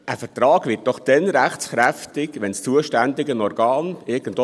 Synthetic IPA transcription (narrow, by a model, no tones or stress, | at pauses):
ʔəfətɾɑːɡʋɪt̚d̥ɔχd̥ɛnɾæχt͡sχɾæftɪɡʋɛnst͡suəʃtændɪɡənɔrɡɑːnɪɾɡ̥ən̩dɔ